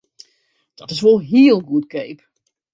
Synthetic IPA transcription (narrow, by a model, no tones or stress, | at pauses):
d̥ɔtɪs̬ʋolˠɦiəlˠɡuətkeːp